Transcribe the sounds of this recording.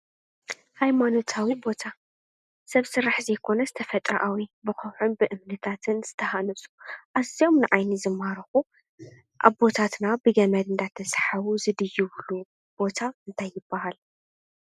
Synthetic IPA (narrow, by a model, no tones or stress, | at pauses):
hajmano̞t̪ʰawibo̞t̪ʰa | sɐβsɨɾːaħzɐjkʰo̞nɐzɨt̪ʰɐfɐt̪ʼɾɐʔawibɨxɐwħunbɨʔɨmnɨt̪ʰat̪ʰɨnz̥ɨt̪ʰɐhanɐsʼu̥ʔazio̞mnɨʕajnizɨmːaɾɐxu | ʔa̰βbo̞t̪ʰat̪nabɨɡɐmɐd̪ɨnd̪at̪ʰːɐsħaβuzɨd̪ɨjːuβlu | b̥o̞t̪ʰaɨnt̪ʰajːɪb̥ːahal